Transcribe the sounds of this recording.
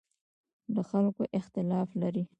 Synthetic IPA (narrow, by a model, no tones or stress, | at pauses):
d̪əxalkoʔɪxt̪ɪlɑflaɾi